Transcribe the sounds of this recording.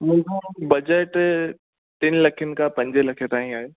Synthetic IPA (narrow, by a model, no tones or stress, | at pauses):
mʊ̃ːd͡ʑobɐd͡ʑəʈ | t̪ɪnlɐkʰənɪ̆kapɐ̃ɲd͡ʑelɐkʰet̪aːɦĩaːɦeː